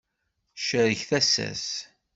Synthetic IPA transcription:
ʃəɾəçθæsæ̰s

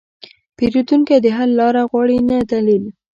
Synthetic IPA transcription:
peɾut̪uŋkad̪əɦalːɑɾaɣwɑɽinat̪alil

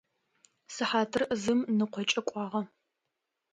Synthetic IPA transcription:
sɨħaːtʰɨrzɨmnɨqʷɔt͡ʃʼɐkʷʼɑːʁɐ

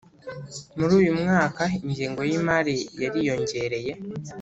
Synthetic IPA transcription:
muɾuːjumŋaːkaiɲɟiːŋɡo̞jimaɾijaɾijo̞ɲɟe̞ɾe̞je̞

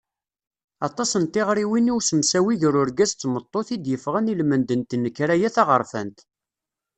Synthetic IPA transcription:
ɑt̪ˤɑsənt̪ɪʁɾiwiniwsəmsæwiðɾʊɾɡæzt͡s̪ːmət̪ˤːoθid̪jəfʁænilmənd̪ənt̪nːəkːɾæjæθɑʁəɾˤfə̰nt̪

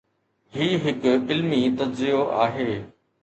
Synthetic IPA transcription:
ɦiːɦɪkɪlmit̪ɐdzɪjoʔa̰ːɦeː

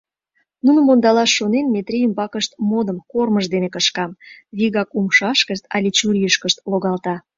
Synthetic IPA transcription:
nunə̆mond̪ɑlɑʃːonenmet̪ɾʲejəmbɑkəʃt̪̚mod̪əmkorməʒd̪enekəʃkɑmβiɣɑkumʃɑʃkəʃt̪ɑ̰lʲit͡ɕuɾʲijəʃkəʃt̪̚loɣɑlt̪ɑ

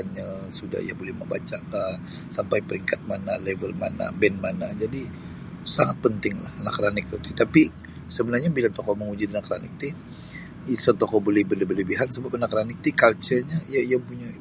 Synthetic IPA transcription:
anɲasuda̰hḭja̰bolɛhmə̰mba̰t͡ʃakan | sampajpəɾiŋkat̪̚manalɛvəlma̰na̰bɛnmanad͡ʒadi | saŋat̪̚pənt̪ɪŋla̰hanakɾanɪk̚ot̪it̪api | səbənarɲabilat̪okɔʔməŋud͡ʒɪt̪̚nakɾanḭk̚t̪i | isat̪ɔkɔbolɛhbələbələbiɦat̪səbap̚anakɾanɪk̚t̪ikalt͡ʃərɲajajaŋpuɲa

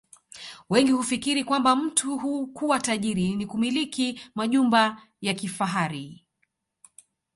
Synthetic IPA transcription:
wɛŋɡihufikiɾikwambam̩tuɦukuwataʄiɾinikumilikimaʄumba | jakifaɦaɾi

